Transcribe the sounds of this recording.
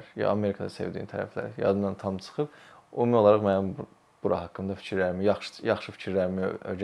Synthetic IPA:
ɾjɑ̰ɑme̞ɾikʰɑd̪ɑse̞̰vd̪iːint̪ʰæɾæ̰flæ̰ɾjɑ̰d̪ɯmd̪ɑnt̪ʰɑmt͡ʃʰɯ̥xɯpomijo̞lˠɑɾɑχmæjin | b̥uɾʔɑ̰ɦɑkʰːɯmd̪ɑfi̥cʰiɾlæɾimijɑχʃjɑχʃɯfi̥cʰiɾlæɾimḭø̰d͡ʒ

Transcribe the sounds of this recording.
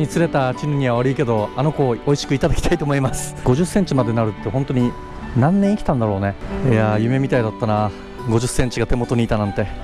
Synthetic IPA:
ɲit͡sɨɾe̞t̪at͡ɕinɯɲ̟iβaβaɾɯike̞d̪o̞ano̞ko̞oiɕi̥kɯ̟it̪ad̪akʲi̥ait̪o̞ːmo̞imasɨ̥ɡ̥o̞ʑɨsːẽ̞ɲ̟t͡ɕimad̪e̞naɾɯ̟t̪ːe̞ɦont̪oɲ̟i | nãnːẽikʲt̪ãnd̪aɾo̞ːne̞eajɯ̟me̞mʲit̪aid̪at̪ːana | ɡo̞ʑɨsːẽ̞ɲ̟t͡ɕiɡat̪emo̞t̪o̞ɲ̟iːt̪anãnt̪e̞

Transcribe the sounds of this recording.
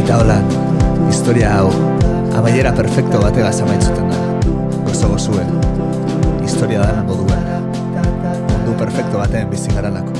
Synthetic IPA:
t̪aolan | ist̪o̞ɾiaːw | a̰βaje̞ɾape̞ɾfe̞kt̪oβat̪e̞ɣasaβajsut̪e̞nd̪a | ɡo̞soɣo̞sue̞n | ist̪o̞ɾiaðanemɡoðuɣen | mund̪upe̞ɾfe̞kt̪oβat̪e̞ːmbisiɣaɾalako̥

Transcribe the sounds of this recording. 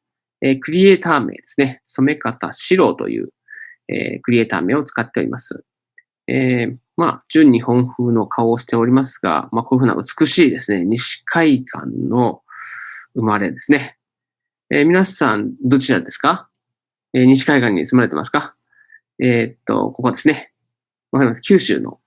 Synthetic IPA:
eːkɯ̟ɾʲie̞ːt̪aːme̞̰ːd̪̥e̞sɨ̥ne̞so̞me̞kat̪a̰ɕiɾo̞ːt̪o̞̰jɯ̟̰ː | ḛːkɯ̟ɾʲie̞ːt̪a̰ːmeːo̞t͡sɨ̥kat̪ːe̞oɾʲḭmʔasɨ | eː | ma̰d͡ʑɨɲ̟ːihõ̞ɰ̃ɸɯ̟ːno̞kʰao̞ːɕi̥t̪e̞o̞ɾʲimasɨɡa̰mako̞ːiɸɯ̟na̰ʔɯ̟t͡sɨ̥kɯ̟ɕiːd̪e̞sɨne̞ɲ̟iɕi̥kʰaikʰã̰nno̞ | ɯ̟maɾe̞d̪e̞sɨne̞ | emʲinasãnd̪o̞t͡ɕiɾad̪e̞sɨ̥ka | eːɲ̟iɕ̬i̥kaikãɲ̟ːḭt͡sɨmaɾe̞t̪emʔa̰sɨ̥ka | eːt̪ːo̞̰ko̞ko̞d̪e̞sɨne̞ | βakaɾʲimasɨ̥kʲɨːɕɨ̰ːno̞̰

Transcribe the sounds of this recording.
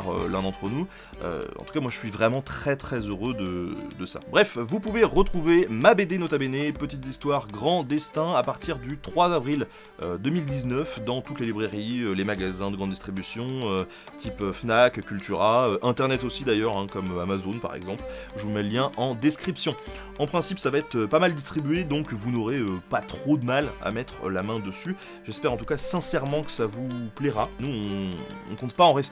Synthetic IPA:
ʁø̰lɛ̃d̪ɑ̃t̪χənu | ø̰ɑ̰̃t̪u̥kamwaʒəsɥivʁɛmɑ̃t̪χɛt̪χɛzøʁød̪əd̪əsa̰bʁɛfvupuveʁət̪χuvemabed̪enot̪abenepət̪it̪zist̪waʁɡʁɑ̃d̪ɛst̪ɛ̃apaʁt̪iʁd̪yt̪χwazavʁil | ød̪əmild̪iznœfd̪ɑ̃t̪ut̪lelibʁeʁiølemaɡazɛ̃d̪əɡʁɑ̃d̪ist̪χibysjɔ̃ø | t̪ʰipøfnakkʲylt̪yʁaøʔɛ̃t̪ɛʁnɛt̪osid̪ajœʁɛ̃kɔmøamazonpa̰ʁɛ̰ɡzɑ̃plʒvumɛljɛ̃ʔɑ̃d̪ɛskχipsjɔ̃ | ɑ̃pχɛ̃sipsavaɛt̪χøpamald̪ist̪χibyed̪ɔ̃kvunɔʁeøpat̪χod̪əmala̰mɛt̪χəlamɛ̃d̪əsy | ʒɛspɛʁɑ̃t̪ukasɛ̃sɛʁmɑ̃kə̥savuplɛʁanuɔ̃ɔ̰̃kɔ̃t̪paɑ̃ʁɛst̪

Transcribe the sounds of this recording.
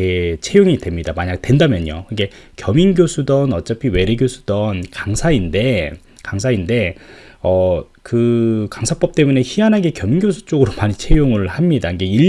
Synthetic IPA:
et͡ɕʰe̞joŋidwe̞mɲidamaɲak̚twe̞ndamjʌɲo̰iɡe̞ | kjʌminɡjosʰudʌnʌt͡ɕ͈ʌpʰiwe̞ɾeɡjosʰu̥d̥ʌnkaŋsʰainde̞ | kaŋsʰainde̞ | ʌ | kɯkaŋsʰap͈ʌp̚t͈e̞mune̞çianɦaɡe̞kjʌminɡjosʰu̥t͡ɕ͈oɡɯɾomaɲit͡ɕʰe̞joŋɯɭhamɲidaiŋɡe̞iʎ

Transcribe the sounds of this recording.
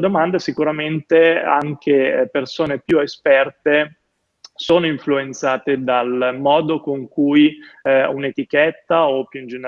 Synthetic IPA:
d̪omand̪esikuɾament̪ea̰ŋk̟ʰepersoːnepjuespɛrt̪e | soːnoiɱfluent̪saːt̪ed̪almɔːd̪okoŋkujunet̪ikɛt̪ːaopːjuind͡ʒen

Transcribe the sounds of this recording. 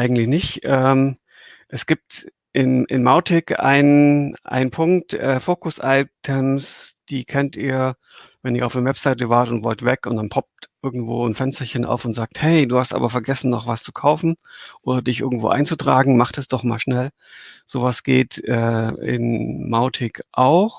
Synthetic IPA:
ʔaɪɡŋ̩tlɪçnɪçtʔɛːm | ʔɛsɡ̥iːp̚t | ʔɪnʔɪ̰nmaʊtʰɪkʔa̰ɪnənʔa̰ɪnənpʰʊŋk̚tʔɛːfoːkʊsʔaɪtʰɛmsd̥iːkʰɛntʔiːɐ | vɛniːɐaʊfdɛɐvɛpz̥aɪtəvaːɐtʊntvɔltv̥ɛkʊntd̥anpʰɔp̚tʔɪɐɡŋ̩tv̥o̰ːnfɛnstɐçənʔa̰ʊfʊntz̥aːk̚thɛɪduːhastʔa̰ːbɐfɛɐɡɛsn̩nɔχvast͡su̥kʰaʊfn̩ʔoːdɐdɪçʔɪɐɡŋ̩tv̥o̰ːʔa̰ɪnt͡sutʁ̥aːɡŋ̩maχtɛsd̥ɔχma̰ːlʃnɛl | z̥oːvasɡ̥ḛːtʔɛːɪ̰nmaʊtʰɪkʰʔaʊx

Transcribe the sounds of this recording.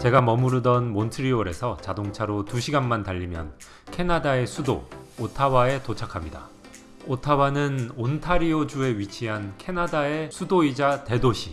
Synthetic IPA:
t͡ɕe̞ɡamʌmuɾudʌnmontʰɯɾioɾe̞sʰʌt͡ɕadoŋt͡ɕʰaɾotuɕʰiɡanmantaʎːimjʌ̰n | kʰe̞nadae̞sʰudo̰otʰawae̞tot͡ɕʰakʰamɲida̰ | otʰawanɯnontʰaɾiod͡ʑue̞ɥit͡ɕʰiɦankʰe̞nadae̞sʰudoid͡ʑate̞doɕʰi

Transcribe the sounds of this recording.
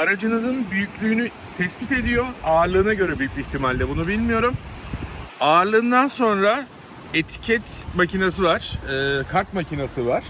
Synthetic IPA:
aɾad͡ʒɯnɯzɯnbyjycʲlʲyːny | t̪ʰɛsbit̪e̞d̪ijo̞aːɾlˠɯːnaɟø̞ɾɛbyjycʲlʲiçt̪ʰimalʲd̪ʲɛbunubilʲmijo̞ɾum | aːɾlˠɯːnd̪anso̞nɾa | et̪ʰi̥cʰɛt̪macinas̬ɯvaɾ̥ːkʰaɾt̪macʰinasɯvaɾ̥

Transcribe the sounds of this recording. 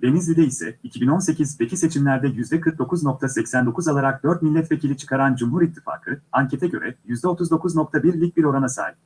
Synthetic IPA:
d̪e̞nizlʲid̪eisɛ̰icʰibino̞nse̞cʰizbe̞cʰise̞t͡ʃʰimlʲæɾd̪ɛjyzd̪ɛkʰɯɾk̚d̪o̞kuzno̞k̚t̪ʰasɛcsænd̪o̞kʰuzalˠaɾak̚d̪øɾt̪̚milʲːɛt̪vecilʲit͡ʃʰɯ̥kʰaɾand͡ʒumɦuɾit̪ʰːifa̰ːkʰɯaɲcʰe̞t̪ʰɛɟø̞̰ɾɛ̰jyzd̪ɛo̞t̪ʰuzd̪o̞kʰuzno̞k̚t̪ʰabiɾlʲic̚biɾo̞ɾanasa̰ːjip

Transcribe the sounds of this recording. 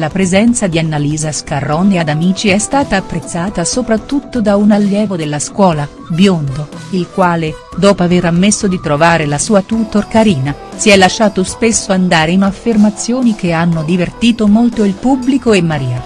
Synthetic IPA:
lapɾezɛnt̪sad̪ianːaliːzaskarːɔnead̪amiːt͡ʃiɛst̪aːt̪aːpːɾet̪sːaːt̪asopɾat̪ːut̪ːod̪aunalːjɛːvod̪elːaskwɔːla | bjond̪o | ilkwaːle | d̪ɔːpoaveɾamːesːod̪it̪ɾovaːɾelasuːat̪ut̪orkaɾiːna | siɛlːaʃːaːt̪ospesːoand̪aːɾeinafːermat̪sːjoːnikeanːod̪ivert̪iːt̪omolt̪oilpubːlikoemːaɾiːa

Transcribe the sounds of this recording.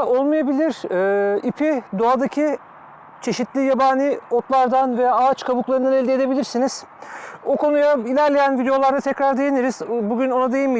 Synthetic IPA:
olˠmajabilʲiɾ̥ɛːipʰid̪oad̪acʰi | t͡ʃʰe̞ʃit̪lʲijabaːnʲio̞t̪lˠaɾd̪anvejaːaːt͡ʃkʰabuklˠaɾɯnd̪anelʲd̪ied̪e̞bilʲiɾsiniz̥ | okʰo̞nujailʲæɾlʲejænvid̪ejo̞lˠaɾd̪at̪ʰɛcɾaɾd̪e̞jeniɾiz̥buɟyno̞nad̪e̞jimi

